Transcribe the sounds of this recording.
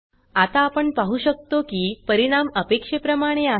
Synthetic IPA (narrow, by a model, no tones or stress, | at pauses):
at̪aːpəɳpaɦuɕək̚t̪okiːpəɾiɽ̃aməpekʂepɾəmaɽ̃ea